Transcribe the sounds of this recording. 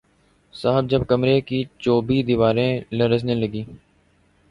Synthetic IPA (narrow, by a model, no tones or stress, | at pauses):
saːɦəb̚d͡ʒəbkəmɾeːkiːt͡ʃoːbiːd̪iːʋaːɾẽːləɾəznẽləɡiː